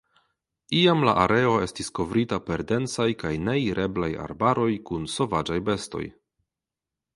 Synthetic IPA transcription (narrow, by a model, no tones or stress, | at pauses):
iamla̰ʔaɾe̞o̞e̞stisko̞vɾitape̞ɾde̞nt͡sajkajne̞iɾʔe̞blaja̰ɾbaɾo̞jkunso̞vad͡ʒajbe̞sto̞̰j